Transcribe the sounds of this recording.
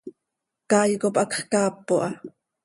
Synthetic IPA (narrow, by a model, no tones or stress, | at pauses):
kɑːjkopʔɑkχkɑːpːoʔɑ